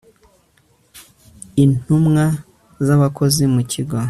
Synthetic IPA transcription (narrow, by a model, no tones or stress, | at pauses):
in̥umŋa | zaβako̞zimucʰiɡo